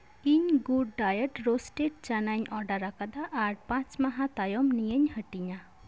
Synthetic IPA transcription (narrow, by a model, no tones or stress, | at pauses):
iɲɡuɖ̚ːajəʈɾosʈeʈ̚t͡ʃanaɲɔɖaɾakad̪aʔːɾpãt͡ʃmaɦat̪ajɔmnijəɲhəʈiɲa